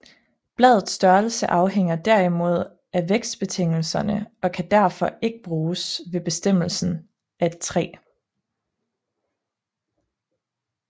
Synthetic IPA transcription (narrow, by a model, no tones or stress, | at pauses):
b̥lɛːð̞ˠð̩ˠsd̥ɶɐlsəʔɑ̈ʊɦeŋ̰ɐd̥æɐ̰imo̝ð̞̰ˠ | æʋeɡ̥sd̥̚b̥e̝t͡sʰe̝ŋ̰l̩sɐnəʔɒ̽kʰæd̥æɐ̰fɒ̽e̝ɡ̥əb̥ʁuːsʋe̝b̥e̝sd̥em̰l̩sn̩ | ʔæd̥̚t͡sʰʁɛ̰ː